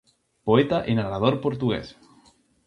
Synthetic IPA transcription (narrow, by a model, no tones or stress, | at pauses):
poet̪aʔenarɾað̞oɾpoɾt̪uɣḛs